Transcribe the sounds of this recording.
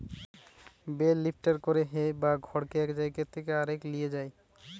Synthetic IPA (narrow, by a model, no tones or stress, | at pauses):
belːipʰʈaɾkoɾeɦebaɡʱɔɾkeɛkd͡ʑajket̪ʰːekeaɾeklied͡ʑaj